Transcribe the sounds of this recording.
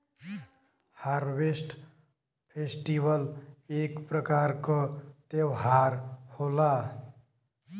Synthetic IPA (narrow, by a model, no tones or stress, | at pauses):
haɾbesʈ | pʰesʈibʌlekprʌkaɾkot̪ewɦaɾhola